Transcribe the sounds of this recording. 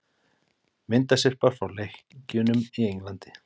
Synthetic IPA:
mɪnt̪asɛr̥paɾ̥fawlejxcʏːnʏmiejŋklant̪ɪ̥

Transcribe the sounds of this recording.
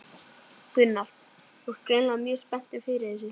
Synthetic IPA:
kʏnːalt̪ | ɔ̥t̪kɾejnlamjœ̥ːspɛn̥t̪ɪfɪɾɪθɛs̬ʏ

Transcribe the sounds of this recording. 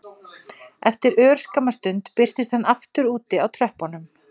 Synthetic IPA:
ɛft̪ɪɾœːɾ̥skamːast̪ʏnt̪pɪr̥t̪ɪst̪hanːaft̪ʏɾuːt̪ɪawt̪ʰɾɛhpɔnʏm

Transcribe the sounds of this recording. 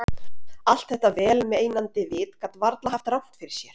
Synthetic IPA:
al̥t̪θɛht̪avɛːlmɛeːjnant̪ɪvɪːt̪kat̪vaɾt̪laɦaft̪rawht̪fɪɾɪɾ̥sjɛɾ̥

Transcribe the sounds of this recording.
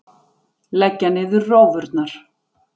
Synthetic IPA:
lɛcːanɪðʏɾrːoːwvʏɾt̪naɾ̥

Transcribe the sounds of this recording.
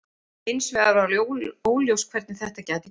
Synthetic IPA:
ɪnsvɛɣaɾawlooːwljowskʰvɛɾt̪nɪθɛht̪acaːt̪ɪ

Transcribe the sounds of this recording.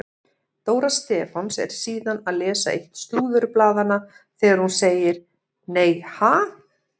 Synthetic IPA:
t̪oːwɾast̪ɛːfansɛ̰ɾ̥siːðanaðlɛːsa̰ḛjht̪st̪uːðʏɾplaːðana | θɛːɣaɾ̥hunseːjɪɾ̥ | neːjhaː

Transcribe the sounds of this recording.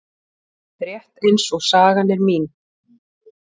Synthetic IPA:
pɾjɛht̪ensɔɣsaːɣanɛɾmiːn

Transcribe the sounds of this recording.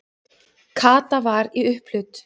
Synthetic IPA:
kʰaːt̪avaɾiʏhplʏt̪

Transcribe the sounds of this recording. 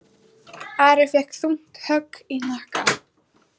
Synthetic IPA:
aɾaθjɛhkθun̥t̪hœkːin̥ahka

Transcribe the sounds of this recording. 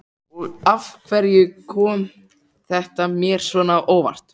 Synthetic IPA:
ɔɣafkʰvɛɾjʏkʰɔːm | θɛht̪amjɛːɾ̥svɔːnaːʔoːwva̰r̥t̪

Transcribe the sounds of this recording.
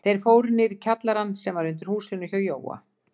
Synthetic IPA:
θejɾ̥foːwɾɪnɪɾcʰat̪laɾanːsɛmvaɾʏnt̪ɪɾ̥huːsɪnʏçœwjo̰ːwːa̰

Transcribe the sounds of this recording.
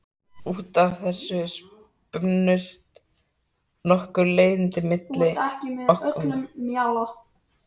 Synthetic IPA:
uːt̪avθɛsːʏs | pʏnːʏst̪ | nɔhkʏɾleːjðɪnt̪ɪmɪt̪lɪɛhcɪmɪɔhk̪mːjalɔ

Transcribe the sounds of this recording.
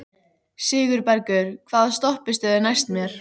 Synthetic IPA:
sɪːɣʏɾpɛɾcʏɾ̥kʰvaːðst̪ɔhpɪst̪ɪðɪnajst̪mjɛɾ̥

